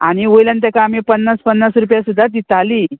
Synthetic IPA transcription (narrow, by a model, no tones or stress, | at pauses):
aɽ̃iʋojljant̪jakaːmipənːaspənːasɾupjasud̪ʱːat̪̬it̪ali